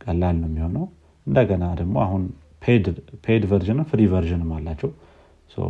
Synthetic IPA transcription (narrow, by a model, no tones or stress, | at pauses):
kʼəlːalnəwmːiho̞nəw | ʔɨnd̪əɡənad̪əɡmo̞ahun | pʰed̪pʰed̪vəɾʒɨnɨmfɨɾivəɾʒɨnɨmːalːat͡ʃːɛw | sə̰w